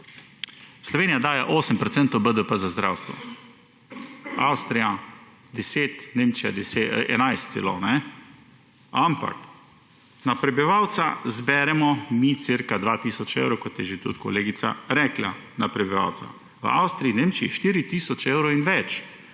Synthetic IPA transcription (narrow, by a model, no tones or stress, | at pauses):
slɔʋeːnijad̪aːjaʔoːsəmpɾɔt̪sɛnt̪ɔwbəd̪əpəzazd̪ɾa̰ːwst̪ʋɔ̰ | awst̪ɾija | d̪ɛseːt̪neːmt͡ʃija̰d̪ɛseʔɛ̰najst̪sḛlo̰nɛ | ampa̰k | napɾɛbiʋawt̪sazbɛɾɛmɔmit̪siɾkad̪ʋaːt̪iːsɔt͡ʃḛwɾowkɔt̪jɛʒet̪ṵt̪kɔ̰leːɡit̪sa̰ɾɛkla̰ | napɾɛbiʋa̰wt̪sa̰ | ʋəa̰wst̪ɾiineːmt͡ʃiiʃt̪iːɾit̪iːsɔt͡ʃeːwɾoinʋɛt͡ʃ